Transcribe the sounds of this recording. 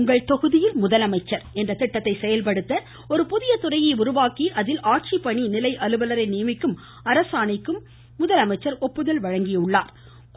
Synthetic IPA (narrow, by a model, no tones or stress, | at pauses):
ŋɡɐɭt̪ɔɣɯðɪjɪlmʊðɐlɐmɐɪt͡ʃːɐɾɛndrɐt̪ɪʈːɐt̪ːɐɪsɛjɐlpɐɽɯt̪ːɐ | ɔɾɯpʊðɪjɐt̪ʊrɐjɐɪʊɾʊʋaːkiʔɐðɪlʔaːʈ̚t͡ʃipːɐɳinɪlɐɪʔɐlɯʋɐlɐɾɐɪniːmɪkːɯm | ɐɾɐsaːɳɪkːɯmː | ʊðɐlɐmɐɪt͡ʃːɐɾɔpːɯðɐlʋɐɻɐŋɡɪjɐɯɭːaːɾ | k